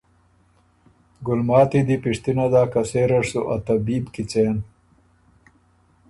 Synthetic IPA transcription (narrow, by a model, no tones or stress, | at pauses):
ɡʊlmaːt̪id̪ipiʂt̪inad̪aːkɐseːɾɐʂsuʔɐt̪ɐbiːbkit͡seːn